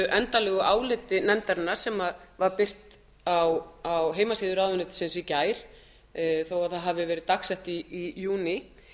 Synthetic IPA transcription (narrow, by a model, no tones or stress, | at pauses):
ʔɛnt̪alɛːɣʏʔaːwlɪt̪ɪnɛmt̪aɾɪnːaɾ̥sɛmaðvaɾpɪr̥t̪ | awawɦeːjmasiːðʏɾawðʏnɪt̪sɛnsicaːjɾ̥ | θowaðθaðɦavɪvɛːɾɪðt̪aksɛht̪iːjuːnɪ